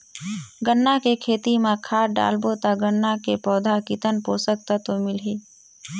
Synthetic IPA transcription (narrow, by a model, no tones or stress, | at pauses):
ɡənːakekʰeːt̪imẽkʰaːɖa̰ːlbot̪aɡənːakepɔːd̪ʱakɪt̪ənpoːsək̚t̪at̪omɪlɦiː